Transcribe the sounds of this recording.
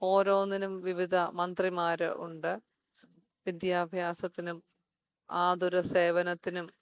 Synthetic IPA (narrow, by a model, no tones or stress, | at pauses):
o̞ːɾo̞ːnːinumʋiʋid̪ʱɐmɐnd̪rimaːɾɨ̰ʔuɳɖɨ | ʋid̪jaːbʱjaːsɐt̪ːinum | aːd̪ʱuɾɐse̞ːʋɐnɐt̪ːinum